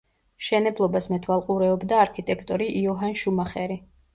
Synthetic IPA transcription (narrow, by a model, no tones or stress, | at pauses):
ʃɛnɛblˠɔbasmɛt̪ʰwalˠqʼuɾɛɔbd̪aːɾkʰit̪ʼɛkʰt̪ʼɔɾiʔːɔɦanʃumaχɛɾi